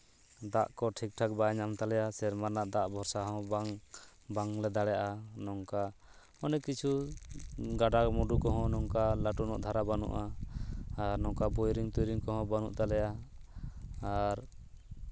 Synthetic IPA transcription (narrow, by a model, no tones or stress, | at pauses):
d̪aʔkɔʈʰik̚ʈʰak̚baɲamt̪alɛjasɛɾmaɾnaʔd̪aʔbʱɔɾsaɦɔ̃baŋ | baŋlɛd̪aɽɛjaʔanɔŋka | ɔnɛkit͡ʃʰu | ɡaɖamɔɖukɔɦɔ̃nɔŋkalaʈunɔ̰ʔd̪ʱaɾabanṵʔaː | ɾnɔŋkabɔjɾiŋt̪ujɾiŋkɔɦɔ̃banṵʔt̪alɛja | ɾ